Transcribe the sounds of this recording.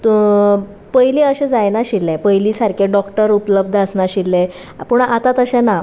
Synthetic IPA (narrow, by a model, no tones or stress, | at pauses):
t̪ | pəjliəɕɛ̃d͡zajnaɕilːẽpəjlisaɾkʰeɖɔkʈəɾupləb̚d̪ʱəsnaɕilːẽ | puɳat̪at̪əɕɛ̃na